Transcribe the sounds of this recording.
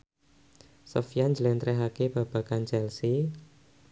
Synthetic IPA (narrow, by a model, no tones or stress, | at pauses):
sofjand͡ʒlɛnt̪ɾɛɦakeb̥a̤b̥a̤kant͡ʃɛlsi